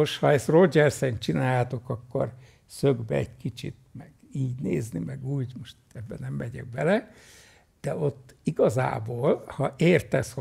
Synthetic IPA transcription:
oʃhɒɛsrod͡ʒɛrsɛnt͡ʃinaːjaːt̪o̞kɒkːo̰r | søɡbɛ̰ɛɟkit͡ʃḭt̪mɛɡ̥ | iːɟnḛːznimɛɡuːɟmoʃt̪ɛbːɛnɛmːɛɟɛ̰ɡ̚bɛlɛ | d̪̥ɛo̞t̪ːiɡɒza̰ːboːlhɒʔeːrt̪ɛsho

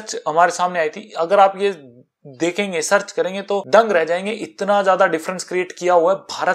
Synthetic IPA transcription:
t͡ʃɦɐmaːɾesaːmneaːit̪ʰiɐɡəɾaːpje | d̪eːkʰẽːŋɡesɐɾt͡ʃkɐɾẽːŋɡet̪oɖ̪ɐ̃ŋɡɾɛɦd͡ʒaːẽːŋɡeʔɪt̪nazjaːd̪aɖɪfɾə̃nskɾieːʈkijaɦuaɛbʱaːɾə

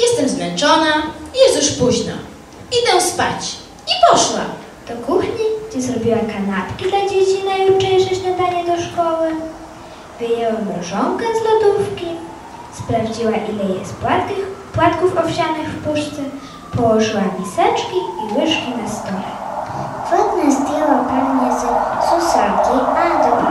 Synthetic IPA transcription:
jɛst̪ɛmzmɛnt͡ʂɔnaijɛst̪juʂpuʑna̰ | id̪ɛwspa̰t͡ɕ | ipɔʂwa̰ | t̪ɔkuxɲiɡd͡ʑɛzɾɔbʲiwakanapkʲid̪lad͡ʑet͡ɕinaijut͡ʂɛjʐɛt͡ɕnad̪aɲɛd̪ɔʂkɔwɘ | vɘjɛwamɾɔʐɔŋkɛzlɔd̪ufkʲi | spɾavd͡ʑiwaʔilɛjɛ̰s | pwat̪kufɔfɕanɘxfpuʂt̪sɛ | pɔwɔʐɘwamʲisɛt͡ʂkʲiiwɘʂkʲinast̪ɔlɛ̰fɔd̪nɛzd̪ʲjɛwapaɡɲɛzsusakʲiad̪ɔ

